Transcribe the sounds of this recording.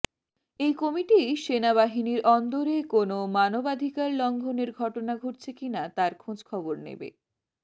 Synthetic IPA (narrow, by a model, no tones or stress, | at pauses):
ejkomiʈiʃenaβaɦiniɾʔɔnd̪oɾekonomanobad̪ʱikaɾlɔŋɡʱoneɾɡʱɔʈonaɡʱoʈt͡ɕʰekinat̪aɾkʰõd͡ʑkʰɔboɾnḛbḛ